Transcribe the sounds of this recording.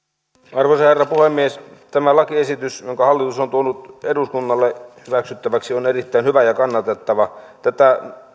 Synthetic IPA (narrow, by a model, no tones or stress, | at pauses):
ɑrʋosɑherːɑpuhemːiest̪æmælɑkiesit̪ysjoŋkɑhɑlːit̪usont̪uonut̪eduskunːɑlːehyʋæksyt̪ːæʋæksionerit̪ːæinhyʋæjɑkɑnːɑt̪et̪ːɑʋɑt̪æt̪æ